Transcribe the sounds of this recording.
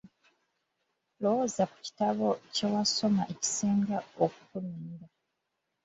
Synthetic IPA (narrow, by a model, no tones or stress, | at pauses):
lowozaku̥ci̥taβo̞ce̞waso̞maʔe̞ci̥seːŋɡaokukuluːnda